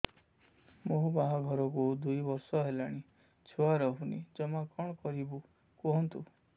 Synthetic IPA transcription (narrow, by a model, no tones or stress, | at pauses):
moɦubaɦɔɡʱɔɾɔkud̪ujbɔɾsɔɦelaɽ̃i | t͡ʃʰuwaɾɔɦunḭd͡ʒɔmakɔɽ̃ɔkɔɾibu | kɔɦɔnt̪u